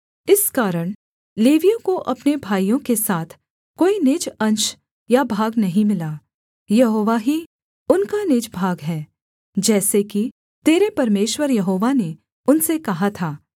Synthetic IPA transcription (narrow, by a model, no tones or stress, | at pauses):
ɪskaːɾəɽ̃ | leːʋijõkoʔɐpnebʱaːijõkesaːt̪ʰ | koːinɪd͡ʒɐ̃nʃ | jabʱaːɡnɐɦĩmɪlaː | jɐɦoːʋaɦi | ʊnkanɪd͡ʒbʱaːɡɦɛː | d͡ʒɛːseki | t̪eːɾepɐɾmeːʃwəɾjɐɦoːʋane | ʊnsekɐɦat̪ʰaː